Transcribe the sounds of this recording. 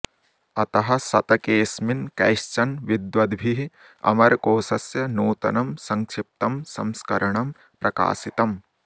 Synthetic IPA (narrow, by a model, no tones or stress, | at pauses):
ɐt̪ɐɦɐ̆sɐt̪ɐkeːsminkɐ̰jʃt͡ʃɐnʋid̪ʋɐd̪bʱiɦi | ɐ̰mɐɾkoːsɐsjɐnuːt̪ɐ̰nɐmsɐŋkʂɪp̚t̪ɐmsɐ̰mskɐɾɐɳɐm | pɾɐka̰ːsit̪ɐm